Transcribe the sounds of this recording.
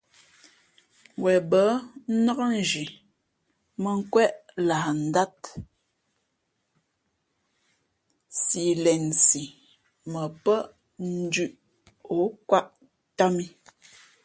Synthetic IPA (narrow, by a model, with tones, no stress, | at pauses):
wɛ˨bə˨˦nə˦kə˦n̩˨d͡ʒi˨ | mə˨ŋ̩˦kwɛ˦ʔla˨n̩˨da˦t | si˨lɛ˨nsi˨ | mə˨pə˦ʔ | n̩˦dʉ˨ʔ | o˨˦kwa˦ʔ | ta˦mi˦